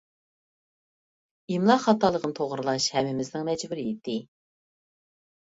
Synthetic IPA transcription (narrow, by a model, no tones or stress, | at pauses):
imlˠɑχɑt̪ɑlˠəqʰənɨt̪ʰoʁɾɨlˠɑʃhɛmːɪmɪznɪŋmɛd͡ʒbuɾɪit̪ʰːɪ